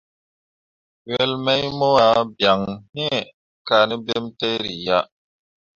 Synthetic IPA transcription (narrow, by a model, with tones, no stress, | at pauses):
ɥɛ˦lmɛ˦jmɔ˦a˦bja˨ŋni˦ɛ˨ | ka˨ni˦be˦mtɛ˦ɾi˨ja˦ʔ